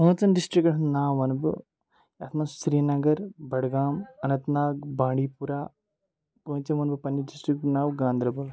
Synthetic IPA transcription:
ɦɐ̃ːt͡sɐnɖisʈɾikʈnaːʋɐnb̰ | jaːt̪ʰmɐnsɾiːnɐɡɐɾbɐɽɡaːmɐnɐt̪naːɡ̚bãːɳɖiːpuɾaː | pət͡ʃɐmɐnbɐpɐnjɐɖisʈɾik̚ʈnaːwɡãːnd̪ɾɐbɐl

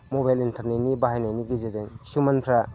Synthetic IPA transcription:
mobajlintʰaɾnenibaɦajnajniɡizedeŋsumanpʰɾa

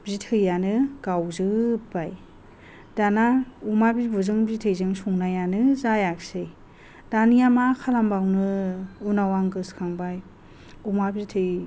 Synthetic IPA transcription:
bzitʰɯjːanɯɡ̥awzɯbaj | d̥anaumabibuzɯŋbzitʰɯjzɯŋsuŋnajanɯzajak̚sej | d̥anijamakʰalambawnɯunawaŋɡɯskʰaŋbaj | umabzitʰɯj

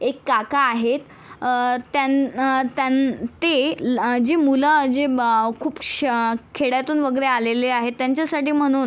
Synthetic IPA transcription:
ekːakaːɦet̪ː | jat̪ːjant̪ed͡ʑemuləd͡ʑekʰuːp | kʰeɽjat̪uːnʋəɡəɾealeleaɦet̪ːjaɲt͡ɕjasaʈiːm̤əɽ̃uːn

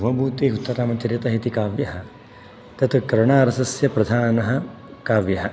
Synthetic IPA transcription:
uʋɐbʱuːt̪eːɦut̪ːɐɾaːmɐt͡ʃ̪ɐɾjɐt̪ɐɦit̪ikaːʋjɐɦɐ̆ | t̪ɐt̪ukɐɾɳaːɾɐsɐsjɐpɾɐd̪ʱaːnɐɦɐ̆ | kaːʋjɐɦɐ

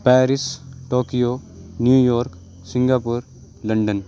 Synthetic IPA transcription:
pɛːɾɪsʈoːkijonjuːjɔːɾk | sɪ̃ŋɡaːpʊɾ | lɐ̃ɳɖən

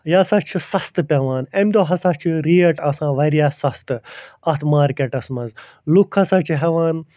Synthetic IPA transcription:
jaːsaːt͡ʃʰisɐst̪ɨpʲɐʋaːnemʲd̪oːɦɐsaːt͡ʃʰiɾiːɐʈɐsãːʋɐɾijaːsɐst̪ɨɐt̪ʰmaːɾkʲeʈɐsmɐz | lukʰːɐsaːt͡ʃʰiɦɛʋaːn

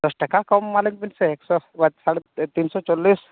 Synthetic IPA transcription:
d̪ɔsʈəkakɔmːaləŋɡpinseeksɔʋət̪saɽet̪insɔt͡ʃolːiːs

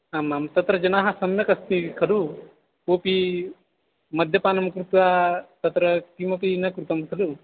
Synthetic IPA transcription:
aːmːamt̪ɐt̪ɾɐd͡ʒɐnaːɦɐsɐmjɐkɐst̪iikʰɐlu | oːpi | mɐd̪ʱjɐpaːnɐmkɾut̪ʋaːt̪ɐt̪ɾɐkimɐpinɐkɾut̪ɐmkʰɐlu

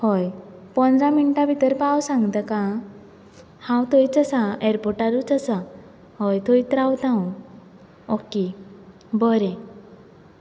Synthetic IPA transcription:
hɔjpɔ̃nd̪ɾaminʈabʱit̪əɾpawsãŋɡt̪əkã | hãwt̪ʰoit͡səsaeɾpɔɾʈaɾut͡səsa | hɔjt̪ʰojt̪ɾawt̪ãw̃ | ɔki | bɔɾẽ

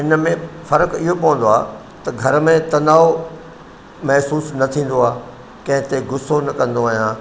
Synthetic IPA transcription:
ɪnəmẽfɐɾəkɪɦopɐʋə̃nd̪oa̰ː | t̪ɐɡʱɐɾmẽt̪ɐnaːo | mɛɦsuːsnɐt̪ʰĩːn̆d̪oaː | kɐ̃ɦɪ̃t̪eɡʊsonɐkɐ̃nd̪oaːɦijãː

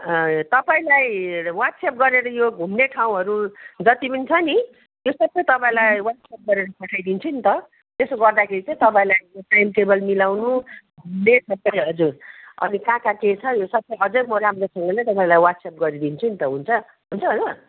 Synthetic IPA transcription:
ʌt̪ʌpaĩlajwaʈ̪sep̚ɡʌɾeɾʌjoɡʱumneʈʰaw̃ɦʌɾud͡zʌt̪ibinit͡sʰʌni | josʌbːʌjt̪ʌpãĩlajwat̪sap̚ɡʌɾeɾʌpʌʈʰajd̪int͡sʰunit̪ʌ | t̪esoɡʌrd̪akʰeɾit͡sʌĩt̪ʌpãĩlajjoʈajmʈebʌlmilawnuɡʱumnesʌbːʌjɦʌd͡zurʌ̰nikãkaket͡sʰʌjosʌbʌjɦʌd͡zurmʌɾamresʌŋɡʌlet̪ʌpãĩlajwat̪sap̚ɡʌɾid̪int͡sʰunit̪ʌɦunt͡sʰʌ | ɦunt͡sʰʌɦonʌ

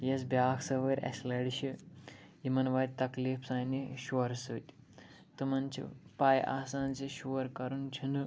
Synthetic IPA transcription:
jɐsbʲjaːksɐʋɐɾʲɐ̰slɐɽiʃi | jimɐnʋɐːt̪̚ʲt̪ɐkliːfsaːjniʃɐɾsɨt̪ʲ | t̪ɨmɐnt͡ʃʰḭpaːjʔa̰ːsaːnt͡siʃuɐɾkɐɾunt͡ʃʰinɨ

